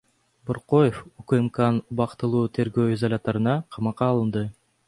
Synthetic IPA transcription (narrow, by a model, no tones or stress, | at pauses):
boɾqojefukɨmkanubɑqt̪ɯlˠuːt̪ʰe̞ɾɡøːizalʲat̪ɑɾɯnɑqʰɑmɑqɑːlˠɯnd̪ɯ